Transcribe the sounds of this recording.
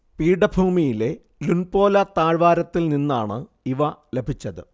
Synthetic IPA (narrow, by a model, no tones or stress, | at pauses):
piːɽɐbʱuːmijile̞ | lunpo̞ːlɐt̪aːɻʋaːɾɐt̪ːilninːaːɳɨ | iʋɐle̞bʱit͡ɕːɐðɨ